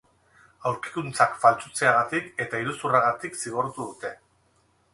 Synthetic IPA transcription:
awɾki̥kunt͡sakfalt͡sut͡se̞aɣ̞at̪ike̞t̪aiɾusuraɣ̞at̪iksiɣo̞ɾt̪uðut̪e̞

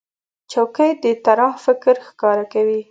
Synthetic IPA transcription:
t͡ʃawkəjd̪ət̪aɾɑhfɪkɾxkɑɾakawi

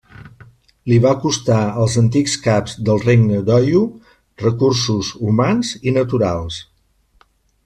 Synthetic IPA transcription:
liβakust̪aəlˠzənt̪ikskapzd̪əlˠreɡnəd̪ɔju | rəkuɾsuzumanzinət̪uɾalˠs

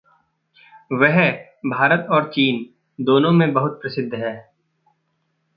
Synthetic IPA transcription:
ʋɛɦ | bʱaːɾət̪ɔːɾt͡ʃiːn | d̪oːnõmẽbɐɦʊt̪̚pɾɐsɪd̪ʱːɦɛː

